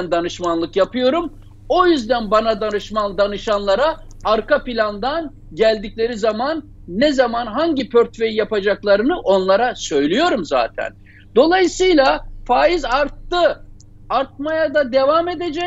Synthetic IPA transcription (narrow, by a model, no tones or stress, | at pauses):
nd̪anɯʃmanlˠɯkjapʰɯjo̞ɾum | o̞jyzd̪ænbanad̪anɯʃmand̪anɯʃanlˠaɾaː | ɾkapilʲand̪an | ɟælʲd̪iclʲe̞ɾizamanː | ɛzamanɦaɲɟipʰøɾt̪ve̞jijapad͡ʒaklˠaɾɯnɯʔo̞nlˠaɾasø̞jlʲijo̞ɾumza̰ːt̪ʰæ̰n | d̪̥o̞lˠajɯsɯjlˠafaːjizaɾt̪ːɯ | aɾt̪̚majad̪ad̪e̞vame̞d̪e̞d͡ʒɛ